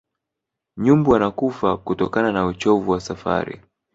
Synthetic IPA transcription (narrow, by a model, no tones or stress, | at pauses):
ɲumbuanakufakutɔkananaut͡ʃɔvuwasafa̰ɾḭ